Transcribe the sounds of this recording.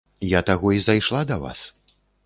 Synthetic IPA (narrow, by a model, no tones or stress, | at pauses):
jat̪aɣɔizajʂlˠad̪ɐva̰s